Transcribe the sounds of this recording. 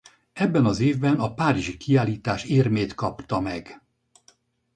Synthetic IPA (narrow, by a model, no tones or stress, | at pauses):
ɛbːɛnɒzeːvbɛnɒpaːɾiʒikʰiaːliːt̪aːʃeːrmeːt̪kɒpt̪ɒmɛɡ